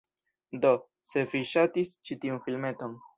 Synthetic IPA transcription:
do̞ | se̞viʃatist͡ʃitiunfilme̞to̞n

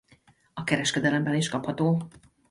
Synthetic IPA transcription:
ɒkɛɾɛʃkɛd̪ɛlɛmbɛniʃkɒphɒt̪oː

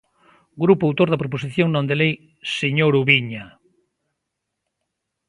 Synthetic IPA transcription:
ɡɾupuawt̪oɾðɐpɾop̬os̬iθjoŋnõnd̪elej | seɲoɾuβiɲa

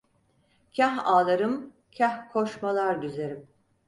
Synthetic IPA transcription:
cʰaɦaːlˠaɾɯm | cʰahkʰoʃmalˠaɾɟyze̞ɾim

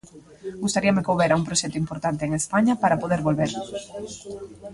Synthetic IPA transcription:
ɡust̪aɾiɐmekoβɛɾauŋpɾoʃɛk̚t̪uimpoɾt̪ant̪eːŋespaɲɐpaɾapoðeɾβolβeɾ

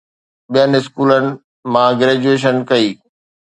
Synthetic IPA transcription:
ɓijənɪskuːlənɪ̆ | mãɡɾeːd͡ʑueːʃ̬ənkɐiː

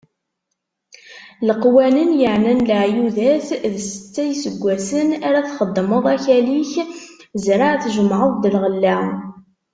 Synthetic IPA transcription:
ləqwælənjəʕnænləʕjuðæθðəsə̥t͡sːæjsəɡʷːæsənæɾæθχəd̪ˤːməðˤæçæliçzɾaʕθʒəmʕəðˤd̪əlʁəlːa

